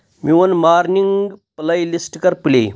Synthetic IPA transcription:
miwɐnmaːɾniŋɡplɐjlisʈkɐɾplḛ

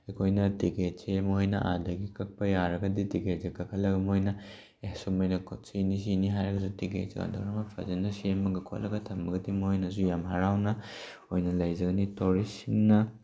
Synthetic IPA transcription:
ekʰojnɐtiket̚semɐojnɐ̰ʔa̰dɐɡikɐk̚pɐjaɾɐɡɐditiket̚zekɐkʰɐlɐɡɐmojnɐ | ehsumɐjnɐkʰtsinis̬iniɦajɾɐɡɐsutikḛtz̰ɡa̰ndʰo̰wɾɐmɐpʰɐ̰zɐnɐsiemːɐɡɐkʰo̰lɐɡɐtʰɐmbɐɡɐdimɐojnɐzujamɦaɾawnɐ | ojnɐlɐjzɐɡɐnitoɾisiŋnɐ

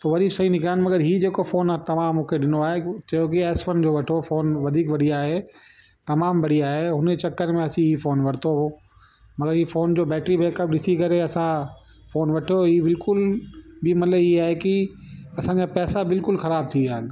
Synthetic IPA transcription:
t̪oʋɐd̪ʱiːbsɐɦinɪkʰaːɦɪnɪmɐɡəɾɦiːd͡ʑeːkofoːnt̪ɐʋãːmːũːkʰeɗɪnoaːɦet͡ɕɐjok̬iɛːsfənd͡ʑoːʋɐʈʰofoːnʋɐd̪ʱiːkʋɐɽiaːɦe | t̪ɐmaːmbɐɽiaːɦeɦʊnt͡ɕɐkːəɾmẽɐsĩɦiːfoːnʋɐɾɪt̪oɦoː | mɐɡəɾɦiːfoːnd͡ʑoːbɛːʈɾibeːkəp̚ɗɪsikɐɾeɐsã | foːnʋɐʈʰijoiːbɪlkʊlbɪmɐt̪ləbiaːɦekiɐsãd͡ʑapɛːsabɪlkʊlxɐɾaːb̚t̪ʰiaːɦɪnɪ̆

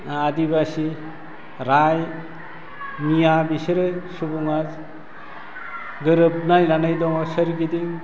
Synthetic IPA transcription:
aadibasi | ɾaj | nijabiseɾɯsubuŋad͡ʒ | ɡɯɾɯb̚najnanajdɔŋɔsɯɾɡidiŋ

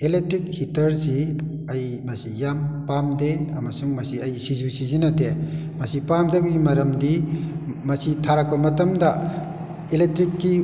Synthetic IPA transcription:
elek̚tɾik̚hitɐɾsi | ɐj | mɐsijampamdeɐmɐsuŋmɐsiɐjsizusizinɐtemɐsipamdabiɡimɐɾɐmdi | mɐsitʰaɾakbɐmɐtɐmdɐ | elek̚tɾikːi

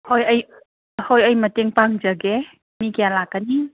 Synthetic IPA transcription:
hojɐj | hojɐjmɐteŋpaŋzɐɡe | mikijalakːani

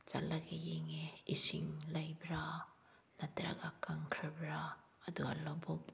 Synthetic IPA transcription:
t͡ʃa̰laɡejeŋeisiŋlajbɾa | nɐtɾa̰ɡakaŋkʰɾebɾaː | duɡa̰lobɔk̚

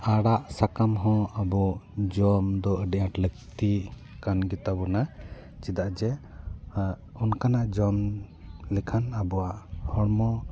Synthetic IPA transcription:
aɽaʔsakamɦɔ̃abɔd͡ʒɔmd̪ɔəɖɛʔaʈlək̚t̪i | kanɡit̪abɔna | t͡ʃid̪aʔd͡ʒɛ | ɔnkanaʔd͡ʒɔm | lɛkʰanabɔwaʔhɔɽmɔ

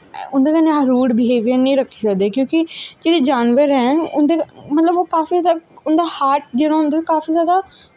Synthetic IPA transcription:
ʊnd̪eːkənẽɾuːɖbɪɦeːʋijəɾnĩːɾəkʰːʃad̪eːkjõːkɪd͡ʒeːɽiːd͡ʒaːnʋəɾɦɛ̃ːʊ̰nd̪emət̪ləboːkaːfiːzjaːd̪aʊnd̪aːhaːʈ̚d͡ʒeɾãːʊ̃nd̪eːkaːfiːzjaːd̪aː

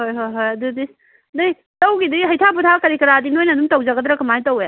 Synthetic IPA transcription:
hojɦojɦojɐdudis | nɐj | tɐwɡidiɦɐjtʰaputʰakɐɾikɐɾadinojnɐdumtɐwzaɡɐdɾɐkɐmajtɐwe

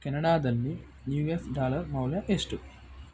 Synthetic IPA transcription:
kenɐɽaːd̪ɐlːi | njuːjesɖaːlɐrmɐwljɐʔesʈu

